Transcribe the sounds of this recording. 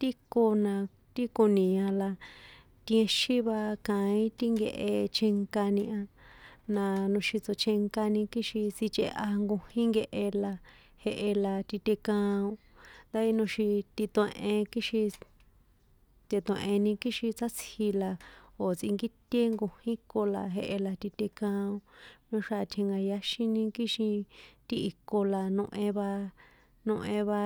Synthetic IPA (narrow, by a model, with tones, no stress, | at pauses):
t̪i˦ko˧nã˧ | t̪i˦ko˧nĩ˨ã˧la˧ | t̪ĩ˧ẽ˧ʃĩ˦βa˧kã˧ĩ˦t̪i˦ŋɡe˧ʔe˧t͡ʃʰe˧ŋka˧nĩ˧ã˧nã˧nũ˧ʃi˧t͡so˧t͡ʃʰe˧ŋka˧nĩ˧ki˦ʃi˧si˧t͡ʃḛ˧ʔa˧ŋɡo˧hĩ˦ŋɡe˧ʔe˧la˧ | he˧ʔe˧la˧t̪i˧t̪ʲe˧kã˧õ˧ | nnd̪a˦i˦nũ˧ʃi˧t̪i˧t̪õ˧ẽ˧ʔẽ˧ki˦ʃi˧ | t̪ʲe˧t̪õ˧e˧ʔẽ˧nĩ˧ki˦ʃĩ˧t͡sa˦t͡shi˧la˧o˨t͡si˧ŋɡi˦t̪ʲe˦ŋɡo˧hĩ˦ko˧la̰˧ɦe˧ʔe˧la˧t̪i˧t̪ʲe˧kã˧õ˧mẽ˧ʂa˦˧t̪ʲʰe˧ŋɡa˧ja˧ʃĩ˦nĩ˧ki˦ʃĩ˧t̪i˧i˧ko˧la˧nõ˧ʔẽ˧βa˧ | nõ˧ʔẽ˧βa˧